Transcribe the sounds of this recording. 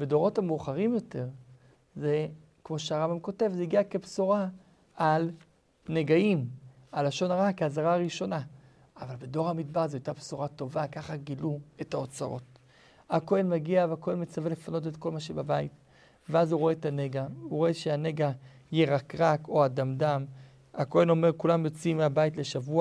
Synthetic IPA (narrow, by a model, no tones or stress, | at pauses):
bedo̞ʁo̞thameuχaʁimjo̞te̞ʁ | ze̞ | kmo̞ʃeaʁambamko̞te̞vzeiɡiakepsuʁa | al | neɡaim | alaʃo̞naʁakeazaʁaʁiʃo̞na | avalbedo̞ʁhamidbaʁzeajtapsuʁato̞vakaχaɡilue̞taot͡saʁo̰t̚ | ako̞enmaɡiaveako̞enmet͡savele̞fano̞t̬etko̞lmaʃebabait | veazuʁoe̞taneɡauʁoeʃeaneɡa | jeʁakʁako̞adamdam | a̰ko̞e̞no̞me̞ʁkulamjo̞t͡simːeabaitle̞ʃavua